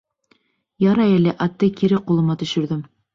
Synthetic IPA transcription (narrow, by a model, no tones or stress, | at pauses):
jɑɾɑjælɘʔɑt̪ːɤkiɾɘqulˠɤ̆mɑt̪ɵ̆ʃɵ̆ɾðɵm